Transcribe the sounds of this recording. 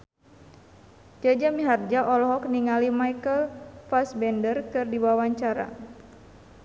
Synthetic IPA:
d͡ʒad͡ʒamiɦard͡ʒaʔɔlɔɦɔk̚niŋalimajkəlfasbɛndərkɨrdiwawaɲt͡ʃaɾa̰

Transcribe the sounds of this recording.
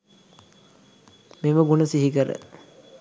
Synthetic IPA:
miʋəɡunɐsiɦikəɾə̰

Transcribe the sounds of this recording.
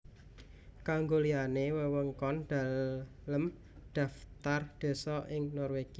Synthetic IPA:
kaŋɡolianewəwəŋkɔnd̪̥a̤ | ləm | d̪̥a̤ft̪ard̪̥e̤sɔʔɪŋnɔrweɡ̥i

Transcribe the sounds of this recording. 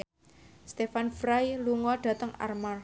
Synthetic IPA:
st̪efanfɾajluŋɔɖ̥ä̤t̪əŋa̰rmar

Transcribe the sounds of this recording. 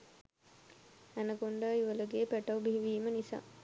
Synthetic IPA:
ænəkoɳɖəiʋələɡeːpæʈawbiɦiʋiːmənisa̰ː

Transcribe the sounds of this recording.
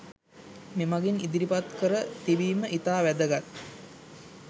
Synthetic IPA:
memaɡinid̪iɾipat̪kəɾət̪iʋiːməʔit̪aːʋæd̪əɡat̪

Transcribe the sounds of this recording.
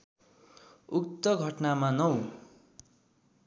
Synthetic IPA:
uk̚t̪ʌɡʱʌʈnamanʌw

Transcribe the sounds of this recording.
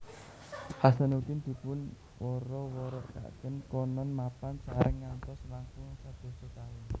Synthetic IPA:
hasanuk̪ind̪̥i̤pʊn | wʔɔɾɔwɔɾɔʔka̰ʔkənkɔnɔnmapansaɾʔəŋːant̪ɔslaŋkʊŋsad̪̥o̤sokt̪awi

